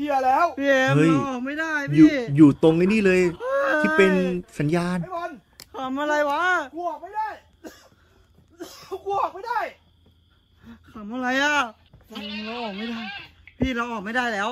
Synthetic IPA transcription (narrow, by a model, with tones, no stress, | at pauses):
i˧˩ɐlɛː˦˥wpʰi˧˨hɤ˦˥˩jjɔː˨˩k̚ma˥˩jdaː˥˩jpjʰuː˨˥˩juː˨˩t̪o˧ŋma˥˩niː˥˩lɤː˧jt̪ʰiː˥˩pe˧nsa˨˩˦njaː˧n˥˩ja˧˥n | k̪ʰa˩˦mʔa˧ɾa˧jwa˦˥ku˧˩ɐk̚ma˥˩jdaː˥˩j | ku˧˩ək̚ma˥˩jdaː˥˩j | kʰa˩˦mʔa˧ɾa˧jʔa˨˧˩ | la˧a˧ŋlɛː˦˥wʔɔː˨˩k̚ma˥˩jdaː˥˩jpʰiː˥˩lɛː˦˥wʔɔː˨˩k̚ma˥˩jdaː˥˩jlɛː˦˥w